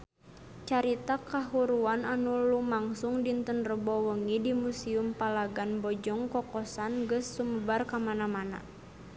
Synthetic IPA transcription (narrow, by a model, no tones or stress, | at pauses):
t͡ʃaɾit̪akaɦuɾuananulumaŋsuŋdint̪ənrəbɔwəŋidimusiumpalaɡanbɔd͡ʒɔŋkɔkɔsanɡəsːuməbarkamanamana̰